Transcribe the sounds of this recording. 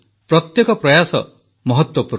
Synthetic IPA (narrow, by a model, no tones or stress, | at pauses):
pɾɔt̪jekɔpɾɔjasɔ̰ | mɔɦɔt̪wɔpuɾ